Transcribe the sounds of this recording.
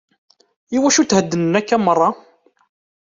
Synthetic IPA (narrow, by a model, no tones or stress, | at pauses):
iwæʃut̪həd̪ːənənækːæmərˤːɑ